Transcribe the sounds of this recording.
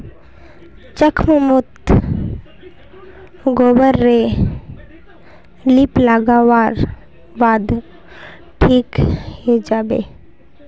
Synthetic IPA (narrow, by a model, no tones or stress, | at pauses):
t͡ʃəkʰməmʊt̪ | ɡoːbəɾːe | liplaɡaːwaːɾ | baːd̪ | ʈʰiːkɦed͡ʒaːbḛː